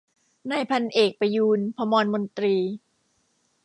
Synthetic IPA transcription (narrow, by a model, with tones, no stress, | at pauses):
naː˧jpʰa˧nʔeː˨˩k̚pa˧juː˧npʰa˧mɔː˧nmo˧nt̪ɾiː˧